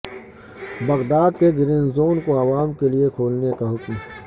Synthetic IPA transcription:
bɐɣd̪aːd̪̚keɡɪɾɪnzoːnkoɐʋaːmkeliekʰoːlnekaɦʊkm

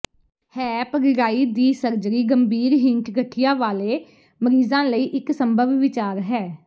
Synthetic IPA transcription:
hɛːpəɾɪɾaːiːd̪iːsəɾd͡ʒɾiːɡəmbiːɾɦɪŋkɡəʈʰijãːʋaːleː | məɾiːzãːləiːʔɪksəmbəʋːɪt͡ʃaːɾɦɛː

